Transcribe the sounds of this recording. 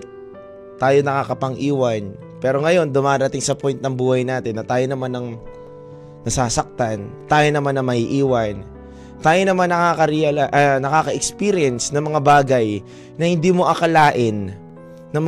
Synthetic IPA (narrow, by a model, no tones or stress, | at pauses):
t̪aːjonɐkaːkɐpɐŋʔiːwɐn | pɛːɾo̞ŋɐjo̞nd̪ʊmaːɾɐt̪ɪŋsɐpjnt̪nɐŋbuːhɐjnaːt̪ɪnːɐt̪aːjonɐmanːɐŋ | nɐsaːsɐk̚t̪ant̪aːjo̞nɐmanːɐŋmɐhiʔiːwɐn | t̪aːjo̞nɐmanːɐkaːkɐɾɪanɐkaːkɐʔɛkspiːɾɪɛnsnɐŋmɐŋabaːɡɐj | nɐhɪnd̪iːmo̞ʔɐkɐlaːʔɪnː | ɐm